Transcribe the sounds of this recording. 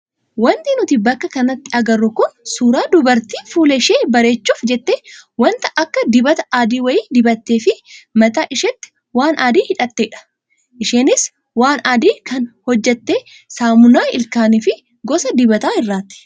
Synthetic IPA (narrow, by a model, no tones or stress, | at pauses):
wɐnt̪inʊt̪ɪbɐkːɐkɐnɐt̪ːɪɐɡɐrːʊkʊnsuːɾaːd̪ʊbɐɾt̪iːfuːlɛʃeːbɐɾe̞ːt͡ʃːuːfd͡ʒɛt̪ːeːwɐnt̪ɐʔɐkːɐd̪ɪbɐt̪ɐ̥aːd̪iːwɐjiːd̪ɪbɐt̪ːeːfɪmɐt̪aːʔɪʃɛt̪ːɪ̥ | waːnʔaːd̪iːhɪᶑɐt̪ːeːᶑɐ̥ | ʔɪʃeːnɪs | waːnaːd̪iːkʰɐnhɔd͡ʒːɛt̪ːeː | saːmʊnaːɪlkaːnɪfɪ | ɡɔsɐd̪ɪbɐt̪aːhɪrːaːt̪ːɪ̥